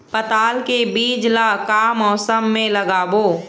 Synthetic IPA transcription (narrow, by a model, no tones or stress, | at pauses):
pət̪aːlkebiːd͡ʒlakaːmɔːsəmːẽləɡaːboː